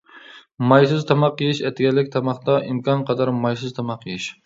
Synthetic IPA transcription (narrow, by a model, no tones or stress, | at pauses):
mɑjs̬ɪzt̪ʰɑmɑqːɨjiʃɛt̪ʰɪɡʲɛlːɪkʲt̪ʰɑmɑχt̪ɑʔimkʰʲɑnqʰɑd̪ɑɾmɑjsɨzt̪ʰɑmɑqʰːɨjɪʃ